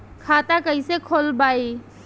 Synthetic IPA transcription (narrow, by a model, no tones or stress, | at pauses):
kʰaːt̪akəisekʰoːlbaːi